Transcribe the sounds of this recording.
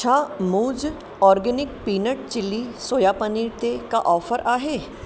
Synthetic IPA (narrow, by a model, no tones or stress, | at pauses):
t͡ʃʰaːmuːd͡ʒ | ɔːɾɡɛnɪk̚piːnəʈ̚t͡ʃɪlːiːsoːjaːpəniːɾt̪ekaʔɔːpʰəɾʔaːɦeː